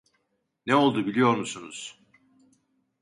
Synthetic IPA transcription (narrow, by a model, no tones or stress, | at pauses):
nɛo̞lˠd̪ubilʲijo̞ɾmusunuz̥